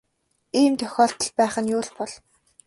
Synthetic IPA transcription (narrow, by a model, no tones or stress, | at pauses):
iːmt̪ʰœxʲɔːɬt̪ə̆ɮpæːχə̆njʊːɮpɔɮ